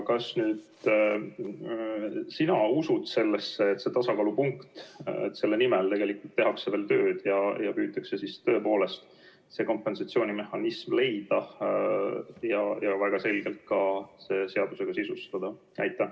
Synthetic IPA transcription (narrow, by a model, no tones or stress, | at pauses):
kɑsnyːd̪̥ | sinɑusud̪̥se̞lːesːeːt̪se̞t̪ɑsɑkɑːlupuŋkt̪ḛt̪ːse̞lːe̞nimelt̪e̞ɡe̞likult̪ːe̞ɦɑkseve̞ːlt̪ø̞ːd̪̥jɑjɑpyːt̪ːˑɑkse̞sist̪øːpo̞ːle̞st̪ | se̞ko̞mpːˑe̞nsɑt̪sio̞ːnime̞hɑnismle̞jd̪̥ɑ | jɑjɑvæɡ̥ɑse̞lɡ̥e̞lt̪̚kɑse̞se̞ɑd̪̥use̞ɡ̥ɑsisust̪ɑd̪̥ɑ | æ̰jt̪ːˑæ